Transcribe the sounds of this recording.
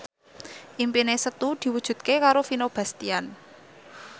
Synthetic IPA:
ʔimpinesət̪ud̪̥i̤wud̥ʒ̥ṳt̪̚kekaɾofinob̥a̤st̪ian

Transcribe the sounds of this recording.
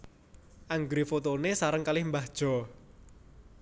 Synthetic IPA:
ʔaŋɡɾifot̪onesaɾəŋkalɪhmbad̥ʒ̥ɔ̤

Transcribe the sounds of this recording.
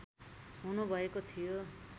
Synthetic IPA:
ɦunubʱʌekot̪ʰijo

